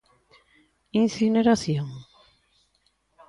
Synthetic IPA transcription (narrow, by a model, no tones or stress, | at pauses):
inθineɾaθjoŋ